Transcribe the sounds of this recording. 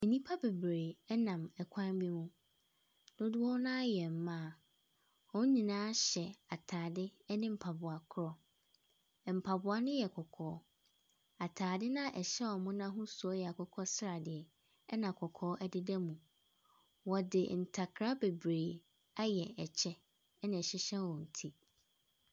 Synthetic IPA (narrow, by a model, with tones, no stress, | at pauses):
ɛ˨nĩ˦pʰa˦be˨bɾeː˨ɛ˦nã˨mɛ˨kʷʰã˦n˦bi˦mũ˦ | nʊ̃˦dʊ˦ɔ˦nã˦jɛ˨m̩˨˦mã˦˨ | ɔ̃˦ɲĩ˨nãː˦ɕɛ˨a˨tʰaː˨dɪ˦nɪ̃˦m̩˨pʰa˨bʊ˨a˨kʰʊ˦ɾɔ˦˨ | m̩˨pʰa˨bʊ˨a˨nʊ̃˦jɛ˨kʰɔ˨kʰɔː˨˦ | a˨tʰaː˨dɪ˦nã˦ʔɛ˨ɕɛ˦wɔ˨mʊ̃˦nã˦ɦʊ̃˦su˨ɔ˦jɛ˨a˨kʰɔ˨kʰɔ˦sɾa˨dɪ˨ɛ˨ | ɛ˦nã˨kʰɔ˨kʰɔː˨˦ʔɛ˦dɪ˦dɛ˦mũ˨ | wɔ˨dɪ̰˨n̩˨tʰa˨kʰɾa˦be˨bɾeː˨ | a˦jɛ˨ɛ˨t͡ɕʰɛ˦ | ɛ˦nɪ̃˨ɛ˨ɕɛ˦ɕɛ̃˦wɔ̃˨n̩˨tʰi˦